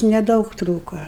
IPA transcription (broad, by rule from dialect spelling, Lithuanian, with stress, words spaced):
nʲɛˈdɐʊk ˈtruːkoː